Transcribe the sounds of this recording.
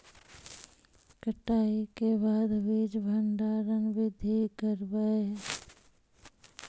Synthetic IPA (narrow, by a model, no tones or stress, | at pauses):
kəʈaːikebaːd̪ʋid͡ʒbʱəɳɖaːɾənbɪd̪ʱikəɾbəe